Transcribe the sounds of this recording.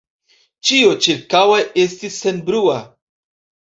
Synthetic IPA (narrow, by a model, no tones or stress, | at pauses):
t͡ʃio̞t͡ʃiɾkaweʔestisːe̞nbɾua